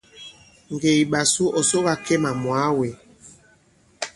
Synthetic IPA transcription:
ŋ˨ɡe˨i˨ɓa˨su˦ʔɔ˨so˦ɣa˦˨ke˦ma˨mwa˨˦we˨

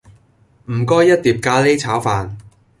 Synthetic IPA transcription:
m̩˨˩kɔː˥jːɐ˥t̚t̪iː˨p̚kaː˧le˥jt͡sʰaː˨˥wfaː˨n

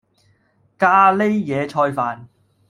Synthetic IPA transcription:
kaː˧le˥jjɛː˨˧t͡ʃʰɔː˧jfaː˨n

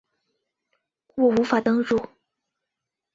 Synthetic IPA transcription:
kwɔ˥˩u˧˥fa˨˩t̪ɤ˥ŋɻu˥˩

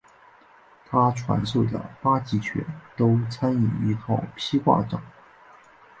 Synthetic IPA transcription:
t̪ʰa˥ʈ͡ʂʰwa̰˧˥nso˥˩d̪ə̰˩pa˥t͡ɕi˧˥t͡ɕʰɥɛ̰˧˥nt̪o˥ʊt͡sʰa˥ny˨˩i˧˥k̪ʰɑ˥˩ʊpʰi˥kwa̰˥˩ʈ͡ʂɑ̰˨˩˦ŋ

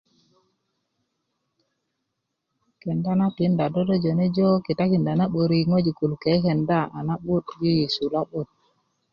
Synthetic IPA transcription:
kɛ˨nda˦na˦pi˨˦nda˨do˦dɔ˦d͡ʒo˨ne˦d͡ʒo˦ki˨ta˦ki˨nda˨na˦ɓu˨ɾi˨ŋo˦d͡ʒi˨ku˨lke˨˦ke˨nda˦a̰˨na˦ɓu˦td͡ʒi˦ji˨su˨la˦ɓu˦t̚

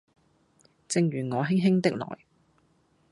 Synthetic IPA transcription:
t͡sɪ˧ŋɥyː˨˩ŋɔː˨˧ɦɪ˥ŋɦɪ˥ŋt̪ɪ˥k̚lɔ̰ː˨˩j

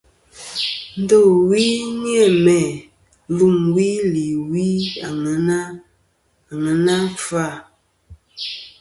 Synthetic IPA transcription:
n̩˦do˦˨wi˦ni˦e˦˨mɛ˨˦ | lu˦˨mwi˦li˨wi˦a˨ŋə˨˦na˦˨ | ŋə˨na˦fa˦˨

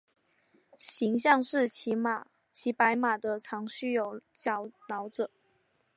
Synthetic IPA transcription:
ɕi˧˥ŋɕjɑ˥˧ŋʂɻ̩˥˩t͡ɕʰi˧˥ma˨˩ | t͡ɕʰi˧˥pa˧˥ɪma˨˩d̪ə˦ʈ͡ʂʰɑ˧˥ŋɕy˥˩jo˨˩ʊt͡ɕjɑ˧˥˦ʊnɑ˧˥ʊʈ͡ʂɤ˨˩˦

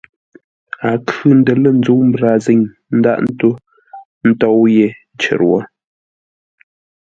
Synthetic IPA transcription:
a˨kʉ˨n̩˦də˨lə˦˨n̩˦d͡zo˨˦wm̩˦bɾa˨ze˦ɲ | n̩˦da̰˦˨ʔn̩˦to˦ | n̩˦tɔ˦˨wje˨n˦t͡ʃə̰˨ɾwɔ̰˦

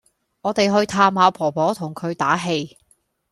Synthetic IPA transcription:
ŋɔː˨˧t̪e˨jɦɵ˧ɥt̪ʰaː˨˧mhaː˨˧pʰɔː˨˩pʰɔː˨˥t̪ʰʊ˨˩ŋkʰɵ˨˧ɥt̪aː˨˥ɦe˧j

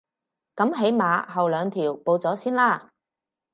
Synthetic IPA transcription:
kɐ˨˥mɦe˨˥jmaː˨˧ɦɐ˨wlœː˨˧ŋt̪ʰiː˨˩wpo˧wt͡sɔː˨˥siː˥nlaː˥

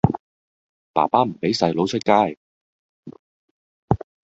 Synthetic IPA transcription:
pa̰ː˨˩paː˥m̩˨˩pe˨˥jsɐ˧jlo˨˥wt͡ʃʰɵ˥t̚kaː˥˩j

